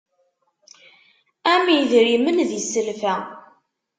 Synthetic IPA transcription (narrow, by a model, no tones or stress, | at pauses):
æmiðɾimənðisəlfæ